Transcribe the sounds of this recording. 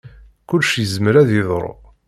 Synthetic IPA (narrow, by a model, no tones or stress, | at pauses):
kʊlːʃjəzəməɾæðiðˤɾˤo̰